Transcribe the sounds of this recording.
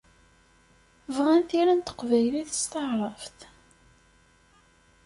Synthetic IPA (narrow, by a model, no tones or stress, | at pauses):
vʁænθiɾænt̪ə̥qvæjliθə̥st̪əʕɾˤɑft̪